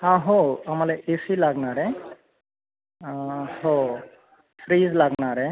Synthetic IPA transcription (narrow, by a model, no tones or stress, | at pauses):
hãɦoamalɛʔesilaɡnaɾɛ | ho | sɾizlaɡnaɾɛ